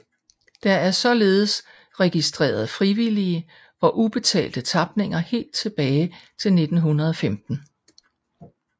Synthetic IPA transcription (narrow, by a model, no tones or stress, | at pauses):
d̥ɑ̈æɐsɒ̽le̝ːð̞ˠəs | ʁɛɡ̥isd̥ʁḛːɐð̞ˠfʁiʋiliə | ɒ̽ʔub̥e̝t͡sʰɛ̰ːld̥ət͡sʰɑ̈b̥ne̝ŋ̰ɐhe̝̰ːld̥̚t͡sʰe̝b̥ɛːɪt͡sʰe̝lne̝d̥n̩ɦunɐð̞ˠɒ̽femd̥n̩